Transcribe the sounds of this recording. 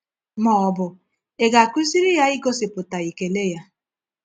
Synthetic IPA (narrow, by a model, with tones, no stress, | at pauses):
mɔ˨ɔ˦bʊ˨ | e˨ɡa˨kʷi˦si˦ɾi˦ja˦ɪ˦ɡo˦sɪ˨pʊ˨ta˨i˨ke˨le˦ja˦